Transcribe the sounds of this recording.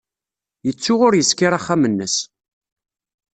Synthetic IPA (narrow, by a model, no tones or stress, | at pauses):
jət͡sːʊʁʊɾjəskɪɾˤaχːamənːəs